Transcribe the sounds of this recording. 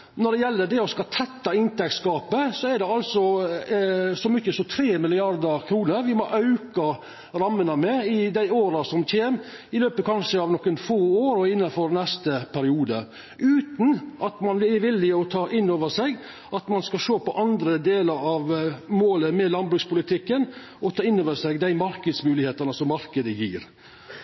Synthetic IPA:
nɔɖɛjɛlːəɖɛɔskɑt̪ʰɛt̪ːɑɪnt̪ʰɛkskɑːpəsɔæɖɛɑlsɔ | sɔmʏçːəsɔt̪ʰɾeːmɪlɪɑɾd̪əɾkʰɾuːnəɾʋɪmɔʔɑʉkɑ | ɾɑmːənəmɛɪd̪æɪoːɾɑsɔmc͡çʰeːm | ɪløːpəkʰɑnʂəɑʋnɔkːənfoːoːɾɔɪnːɑfɔɾnɛst̪əpʰæɾɪuːd̪ə | ʔʉːt̪nʔɑt̪mɑnʋʋɪlːɪɔt̪ʰɑːʔɪnːoːʋəʂɛɡ | ɑt̪mɑnskɑʂoːpɔʔɑnd̪ɾəd̪eːləɾɑʋmoːləmɛlɑnbɾʉːkspʊlɪt̪ʰɪkːən | ɔt̪ʰɑːɪnːoːʋəsɛɡd̪æɪmɑɾkəd̪smʉːlɪheːt̪ɑnəsɔmːɑɾkəd̪əjḭːɾ

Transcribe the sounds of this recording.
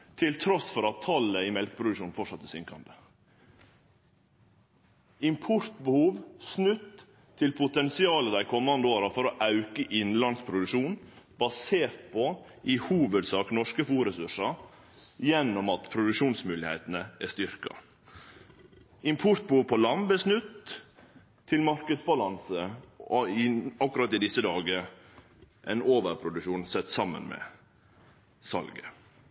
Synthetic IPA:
t̪ʰɪlt̪ʰɾɔsfɔɾɑt̪ʰːɑləɪmɛlkəpʰɾʊd̪ʉʂuːnfɔʂɑt̪ːɛsʏŋkɑnd̪ə | ɪmpʰɔɾt̪bəhuːʋsnʉt̪ʰː | ɪlpʰʊt̪ɛnsɪɑːləd̪æɪkʰɔmːɑnd̪əoːɾɑfɔɾoʔɑʉkəʔɪnlɑnspʰɾʊd̪ʉʂuːnbɑseːɾt̪̚pʰɔ | ʔɪhuːʋəd̪sɑːknɔʂkəfuːɾəsʉʂɑ | jɛnːɔmɑt̪pʰɾʊd̪ʉkʂuːnsmʉːlɪhḛɪt̪ənəæst̪ʏɾkɑ̰ | ɪmpʰʊɾt̪̚buːɾpʰɔlɑnbəsnʉt̪ | ɪlmɑɾkəd̪sbɑlɑnsəɔɪɑkʉɾɑt̪ːɪd̪ɪsːəd̪ɑːɡə | ʔɛ̰ɪnoːʋəɾpʰɾʊd̪ʉʃuːnsɛt̪ːsɑmːə̰nmɛ̰ | sɑ̰lɡə̰

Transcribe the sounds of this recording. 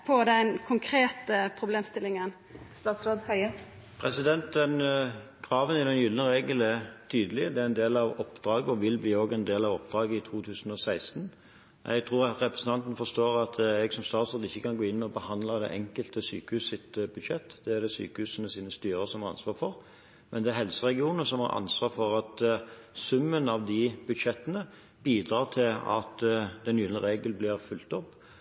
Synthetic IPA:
pʰɔd̪ɛnkʰʊŋkʰɾeːt̪əpʰɾʊbleːmst̪ɪlːɪŋən | st̪ɑːt̪sɾoːd̪hœɪə | pʰɾɛsɪd̪ɛnt̪̚d̪ɛn | kʰɾɑːʋənɪd̪ɛnjʏlənəʁeːɡəlɛɾt̪ʰyːd̪əlɪd̪ɛæɾɛnd̪eːlɑʋɔpd̪̥ɾɑːɡəɔʋɪlbliːoːɡɛnd̪eːlɑʋɔpd̪ɾɑːɡəɪt̪ʰuːt̪ʰʉːsən̩ɔsæɪst̪n | ʔɛ̰ɪɡt̪ʰɾuːɾɑɾɛpɾəsən̩t̪ʰɑnt̪nfɔst̪oːɾɑt̪ʰɛɡsɔmst̪ɑːt̪sɑt̪ɪçːəkʰɑnɡoːɪnːmɛɔbəhɑnd̪ləd̪ɛ̰ʔɛŋkəlt̪əsy̰ːkəhʉːsɪt̪bʉd̪ʃɛt̪ːd̪ɛæʁd̪ɛsy̰ːkəhʉːsənəsiːnəst̪yːɾəsɔmhɑɾʁɑ̰nsʋɑːɾfɔʁ | mɛnd̪ɛæɾɦɛlsəɾɛɡɪuːnəsɔmhɑ̰ɾʔɑ̰nsʋɑːɾfɔɾɑt̪sʉmːənɑʋd̪ɪbʉd̪ʂɛt̪ːənə | biːd̪ɾɑːʁt̪ʰɪlɑ̰t̪d̪ɛnyːd̪ənəɾʁeːɡəlblɪʁfʉlt̪ɔpː

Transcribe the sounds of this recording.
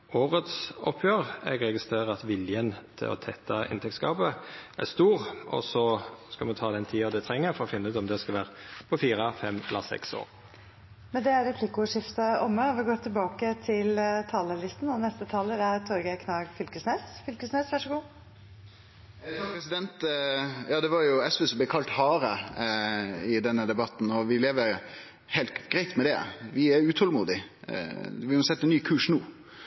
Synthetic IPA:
oːʁət̪sɔpʰjøːʁɛ̰ɡɾɛɡɪst̪ʁeːʁəɑt̪ʋɪljənt̪ʰɪ̰lɔ̰t̪ʰɛt̪ːɑɪ̰nt̪ʰɛkskɑːbəʔæ̰ʁst̪uːʁɔ̰sɔskɑmɛnt̪ʰɑːd̪ɛnt̪ʰiːɑd̪ɛt̪ʰɾɛŋːəɾfɔɾɔfɪnːʉːt̪ɔmd̪ɛskɑlʋæːʁəpʰɔfiːɾəfɛmɛlːəsɛ̰kso̰ːɾ | mɛnd̪ɛæɾɛpʰlɪkʊʂɪft̪əʔɔmːəɔʋɪɡoːt̪ʰɪlbɑːkət̪ʰɪlt̪ʰɑːləlɪst̪n̩ɔnɛst̪ət̪ʰɑːləɾæɾt̪ʰɔɾɡəkʰnɑːɡfʏlkəsneːsfʏlkəsneːsʋæʂəɡuː | pʰɾɛsɪd̪ɛnt̪jɑːd̪ɛʋɑɾjʊɛsʋɛːsɔmblɛkʰɑlt̪hɑːɾə | ɪd̪ɛnːəd̪ɛbɑt̪n̩ɔʋɪleːʋəɾ | hɛɪlt̪ɡɾæɪt̪mɛd̪ɛ̰ʋɪæʉːt̪ʰɔlmuːd̪ɪ̰ | ʋɪʊɑnsɛt̪ːɛnːyːkʰʉːʂnuː

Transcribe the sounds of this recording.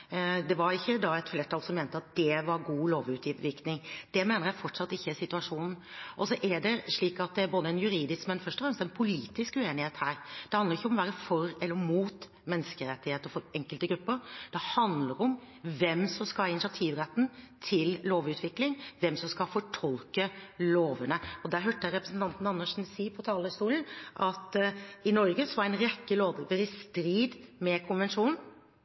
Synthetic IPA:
d̪ɛʋɑɾɪçːəd̪ɑɛt̪fleːʈʰɑlsɔmeːnt̪əɑt̪̚d̪̥ɛʋɑɾɡuːloːʋʉt̪ʋɪknɪŋd̪̥ɛmeːnəɾjæɪfɔʈʂɑt̪ːɪçːəæsɪt̪ʉɑʂuːnn̩ʔɔsɔʔæɖɛʂɭiːkɑt̪̚d̪ɛæɾboːd̪əɛnjʉɾiːd̪ɪskmɛnfœʂʈɔfɾɛmst̪ɛnpʰʊliːt̪ɪskʉeːnɪheːt̪hæːɾd̪̥ɛhɑnd̪əɾɪçːəɔmɔʋæːɾəfɔɾɛlːəɾmuːt̪ | mɛnːəskəɾɛt̪ːɪheːt̪əɾfɔɾɛŋkəlt̪əɡɾʉpːəɾd̪̥ɛhɑnd̪ləɾɔm | ʋɛmsɔmskɑlɪnɪsɑt̪ʰiːʋɾɛt̪ːn̩t̪ʰɪlloːʋʉːt̪ʰʋɪklɪŋʋɛmsɔmskɑfɔʈʰɔlkəloːʋənəɔd̪æɾɦøːʈəɾɛpɾəsn̩t̪ɑnt̪n̩ɑnːəʂn̩siːpʰɔt̪ʰɑːləst̪uːln̩ʔɑt̪ɪnɔɾɡəsɔʋɑɾæɪnɾɛkːəloːd̪ʋəɾɪst̪ɾiːd̪mɛkʰʊnʋɛnʂuːnn̩

